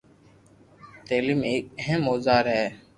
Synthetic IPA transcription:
t̪eːlimeːk̚əɦəmoːzaːɾɦɛː

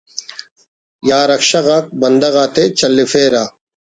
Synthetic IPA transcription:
jaːɾɐkɕɐɣaːk̚bɐnd̪ɐɣaːt̪et͡ɕɐlːifeːɾaː

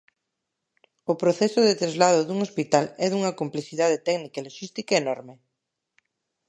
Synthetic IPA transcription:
opɾoθɛsʊðet̪ɾazlað̞ʊðuŋospit̪alɛðuŋɐkompleθiðað̞et̪ɛɡnikaeloʃist̪ikaenɔɾme

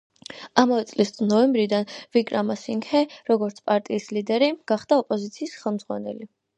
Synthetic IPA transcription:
amavɛt̪sʼlisnɔɛmbɾid̪anvikʼɾamasiŋkʰɛɾɔɡɔɾt̪sʰpʼaɾt̪ʼiːslid̪ɛɾiɡ̥aχd̪aɔpʼɔzit̪sʰiːsχɛlˠmd̪zʁwa̰nɛli

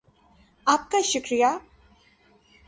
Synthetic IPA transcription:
aːp̚kaʃʊkɾija

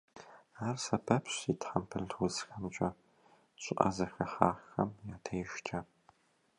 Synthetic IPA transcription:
aːrsɐpʰɐpɕitʰħampʰɨɮtʰwʊzxɐmt͡ʃʼɐ | ɕʷʼɪʔʼa̰zɐxɐħaːxɐ̰mjaːtʰɐjʒt͡ʃʰa

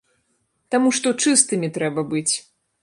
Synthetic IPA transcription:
t̪amuʂt̪ɔt͡ʂɨst̪ɨmʲit̪ɾɛbɐbɨt͡sʲ

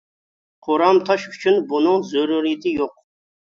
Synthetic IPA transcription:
qʰoɾɑmt̪ʰɑʃyt͡ʃʰynbunɨŋzuɾuɾid̪ɪjoq̚

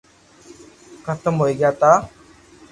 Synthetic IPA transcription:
kʰət̪əmɦoiɡjat̪a

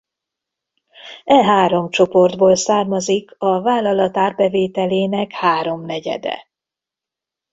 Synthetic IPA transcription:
ɛɦaːɾo̞mt͡ʃo̞po̞rd̪boːlsaːrmɒzikʰɒvaːlːɒlɒt̪aːrbɛveːt̪ɛleːnɛkhaːɾo̞mnɛɟɛ̰d̪ɛ̰

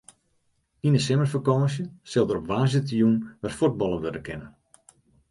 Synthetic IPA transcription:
inəsɪmərfəkɔːəs̬jəsɪlˠdəɾɔpʋaːzɪtəjunʋarfut̚bɔlˠəʋødəkʰɪnən

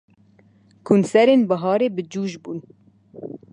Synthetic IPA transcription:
kʰunsɛɾeːnbɑɦɑːɾeːbɨd͡ʒuːʒbuːn

